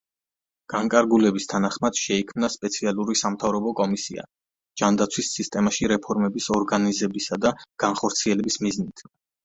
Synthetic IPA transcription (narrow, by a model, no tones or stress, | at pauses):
ɡ̥aŋkʼaɾɡulɛbist̪ʰanaχmad̪̥ʃɛikʰmnaspʼɛt̪sʰialˠuɾisamt̪ʰavɾɔbɔkʼɔmisḭa̰ | d͡ʒ̥and̪at̪sʰwisːist̪ʼɛmaʃiɾɛpʰɔɾmɛbisɔɾɡanizɛbisad̪aɡ̥anχɔɾt̪sʰiɛlɛbismiznit̪ʰ